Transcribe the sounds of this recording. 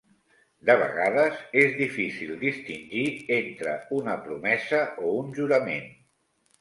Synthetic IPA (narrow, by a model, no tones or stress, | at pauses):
d̪əβ̞ə̰ɣaðəzezðifisilˠd̪ist̪inʲʒient̪ɾə̰unəpɾumɛzəʔounʒuɾəmen